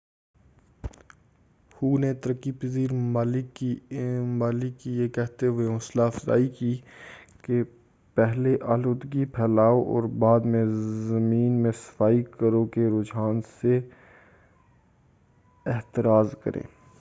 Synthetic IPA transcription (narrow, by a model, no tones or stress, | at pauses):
huːnet̪əɾəkːipəziːɾmmaːlɪkːimaːlɪkːijekɛɦt̪eɦʊeʊslaːfza̰ːikiːke | pɛɦleʔaːloːd̪ɡipʰɛːlaːoʔɔ̰ːɾbaːd̪mẽzɐmiːnmẽsə̥faːikəɾõkeɾoːd͡ʒaːnse | ɪɦt̪ɪɾaːzkə̰ɾʔḛ̃ː